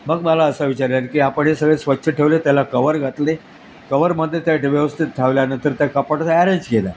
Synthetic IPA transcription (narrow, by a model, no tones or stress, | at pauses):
məɡməlaəsəʋit͡ɕaɾjankiapəɳjesəɡɭesʋətːɕʰəʈʰeʋlet̪jalakəʋəɾɡʱat̪le | kəʋəɾməd̪ʱːjet̪jaʈeʋjəʋəst̪ʰit̪̚ʈʰaʋljanət̪əɾt̪jakəpəɽtæɾeɲd͡ʑɡela